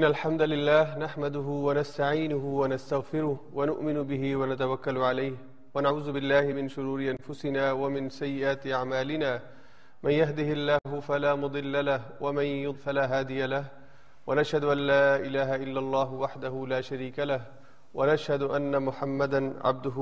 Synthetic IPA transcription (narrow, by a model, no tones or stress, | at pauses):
ʔʔɪnːalħamd̪alɪlːaːhnaħmad̪ʊɦʊwanast̪aʕiːnʊhʊwanast̪aɣfɪɾʊhwanʊʔmɪnʊbɪhɪwanat̪awakːalʊʕalajh | wanaʕuːzʊbɪlːaːhɪmɪnʃʊɾuːɾɪʔanfʊsɪnaːwamɪnsajːɪʔaːt̪ɪʔaʕmaːlɪnaː | manjaɦd̪ɪhɪlːaːɦʊfalaːmʊd̪ˤɨlːalahwamanjʊd̪ˤfalaːɦaːd̪ɪjalah | wanaʃhad̪ʊʔalːaːʔɪlaːɦaʔɪlːalˤːɑːɦʊwaħd̪ahʊlaːʃaɾiːkalah | wanaʃhad̪ʊʔanːamʊħamːad̪anʕa̰b̚d̪ʊɦ